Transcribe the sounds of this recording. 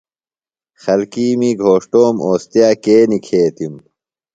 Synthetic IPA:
xɐlkiːmiːɡʱoːʂʈoːmoːst̪ijaːkeːnikʰeːt̪im

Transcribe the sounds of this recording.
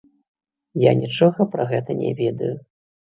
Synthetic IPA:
janʲit͡ʂɔɣɐpɾɐɣɛt̪ɐnʲɛ̰vʲɛd̪ɐju

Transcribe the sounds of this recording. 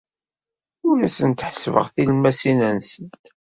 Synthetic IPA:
ʊɾæsənt̪ħəsvə̰ʁθilmæsinænsənt̪

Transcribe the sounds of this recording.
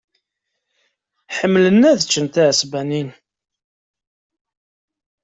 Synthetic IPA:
ħəmːlənːæðət͡ʃːənt̪æʕəsbænin

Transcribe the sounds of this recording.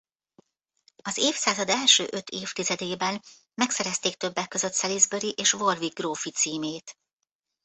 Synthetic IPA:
ɒzeːfsaːzɒd̪ɛlʃø̰ːʔø̞t̪ʰeːft̪izɛd̪eːbɛn | mɛksɛɾɛst̪eːk̚t̪øbːɛkːø̞zø̞t̪sɛlizbøɾiʔeːʃvo̞rviɡroːfit̪siːmeːt̪

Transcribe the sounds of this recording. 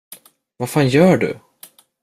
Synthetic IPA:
vaɾfaːnjœːɖɵ̰

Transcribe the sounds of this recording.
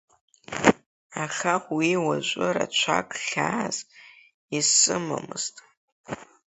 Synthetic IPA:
aχʲaχʷwiwaʒʷʼɨɾa̰t͡ʃʷʰakʼχʲaːz̥ | isɨma̰mɨz̥tʼ

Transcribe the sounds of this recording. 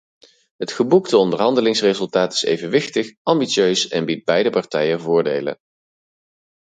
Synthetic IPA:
ɦətχəbuktəɔndəɹɦɑndəlɪŋsrezɵlˠtaːtɪ̥sḛjvənʋɪxtəχʔɑmbisøɥsɛ̰nbid̚bɛjdəpɑɹtɛjənvʊːɹdḛjlə̰n

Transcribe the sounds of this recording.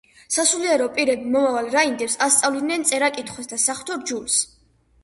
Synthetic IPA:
sasuliɛɾɔpʼiɾɛbimɔmavalɾaind̪ɛɾsast̪sʼavlid̪nɛnt̪sʼɛɾakʼit̪ʰχwɛsd̪asaχt̪ʰɔɾd͡ʒuls

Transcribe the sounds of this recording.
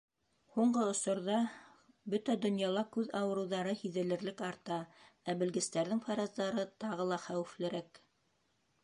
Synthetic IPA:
huɴɢɤŏsŏɾðɑ | bɵt̪æd̪ŏnjɑlˠɑkʉðɑwɤ̆ɾɤ̆wðɑɾɤhiðɘ̆lɘ̆ɾlɘkɑɾt̪ɑæbɘ̆lɡɘ̆st̪æɾðɘŋfɑɾɑzd̪ɑɾɤt̪ɑʁɤlˠɑχæwɘ̆flɘ̆ɾæk

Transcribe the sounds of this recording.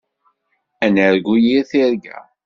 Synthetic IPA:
ænəɾɡʷujiɾθiɾɡæ̰

